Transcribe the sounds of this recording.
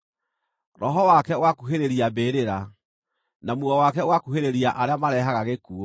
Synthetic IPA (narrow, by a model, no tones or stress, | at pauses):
ɾɔɦɔwakɛwakuɦeɾeɾiabeɾeɾa | namuɔwakɛwakuheɾeɾiaʔaɾeamaɾɛɦaɣaɣekuo